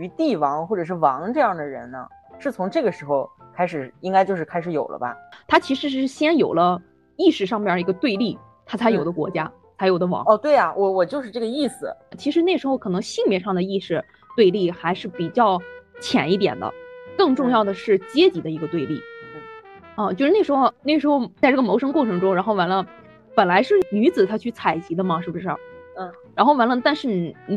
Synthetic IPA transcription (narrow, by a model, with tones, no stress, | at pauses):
y˧˥t̪i˥˩wɑ˧˥ŋxwɔ˥˩ʈ͡ʂɤ˨˩ʂɻ̩˥˩wɑ˧˥ŋʈ͡ʂɤ˥˧jɑ˥˩ŋd̪ə˩ɻə̰˧˥nə̰˧ | ʂɻ̩˥˩t͡sʰʊ˧˥ŋʈ͡ʂɤ˥˩ɡə˩ʂɻ̩˧˥xo˥˧ʊkʰa˥ɪʂɻ̩˨˩i˥ŋka˥ɪt͡ɕjo˥˧ʊʂɻ̩˥˩kʰa˥ɪʂɻ̩˧˥jo˨˩ʊlʔə̰˦bɐ̰˧t̪ʰa˥t͡ɕʰi˧˥ʂɻ̩˧˥ʂɻ̩˥ɻ̩˥˧˩ɕjɛ˥njo˨˩ʊlə˦ | i˥˧ʂɻ̩˥˩ʂŋm˥˩˨i˧˥ɡə˧t̪we˥˧ɪli˥˩ | t̪ʰa˥t͡sʰa˧˥ɪjo˨˩ʊd̪ə˦kwɔ̰˧˥t͡ɕja˥ | t͡sʰa˧˥jo˨˩d̪ə˦wɑ̰˧˥ŋɔ˥˧t̪we˥˩ɪɐ˩wʔɔ˨˩wɔ˨˩t͡ɕjo˥˧ʊʂ̬ɻ̩˥˧ʈ͡ʂɤ˥˩ɡə˧i˥˩sɹ̩˨˩t͡ɕʰi˧˥ʂɻ̩˧˥n˥˩ʂɻ̩˧˥xo˥˧ʊkʰɤ˨˩nɤ˧˥ŋɕi˥˩ŋpjɛ˥˧ʂɑ˥˩ŋd̪ə˩i˥˩ʂɻ̩˥˩ | t̪we˥˧ɪli˥˩xa˧˥ɪʂɻ̩˥˩pi˨˩t͡ɕjɑ˥˩ʊt͡ɕʰjɛ̰˨˩ni˥˩t̪jɛ̰˨˩nd̪ə̰˦kɤ˥˧ŋʈ͡ʂʊ˥˧ŋjɑ˥˩ʊd̪ə˩ʂɻ̩˥˩t͡ɕjɛ˥t͡ɕi˨˩d̪ə˦i˧˥ɡə˧t̪we˥˧ɪli˥˩˥ | ə˥˧t͡ɕjo˥˧ʂɻ̩˥˧e˥˩ʂɻ̩˧˥xo˥˧ʊne˥˩ʂɻ̩˧˥xo˥˧ʊt͡sa˥˧ʈ͡ʂɤ˥˩ɡə˩mo˧˥ʊʂɤ˥ŋkwɔ˥˩ʈ͡ʂʰɤ˧˥ŋʈ͡ʂʊ˥ŋɻa˧˥xo˥˩ʊwa˧˥nlə˧ | pə˨˩nla˧˥ɪʂɻ̩˥˩ny˧˥t͡sɹ̩˨˩t̪ʰa˥t͡ɕʰy˥˩t͡sʰa˨˩ɪt͡ɕi˧˥d̪ə˧mɐ˨ʂɻ̩˥˩bu˩ʂɻ̩˥˩˥ɻa˧˥nxo˥˩ʊwa˧˥nlə˧t̪a˥˧nʂɻ̩˥˩n˨˩˧